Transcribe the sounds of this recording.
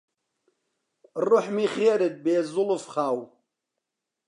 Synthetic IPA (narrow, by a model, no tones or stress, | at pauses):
rʊħmiχeːɾɨd̪̚beːzʊlʊfχaːw